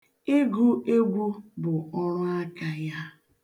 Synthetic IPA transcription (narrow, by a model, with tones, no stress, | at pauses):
e˦ɡu˦e˦ɡʷu˦bʊ˨ɔ˦ɾʊ˦a˦ka˨ja˦